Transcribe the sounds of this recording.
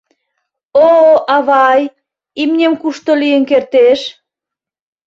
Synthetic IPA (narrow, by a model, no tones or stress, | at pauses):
oɑβɑj | imnʲemkuʃt̪olijənkert̪eʃ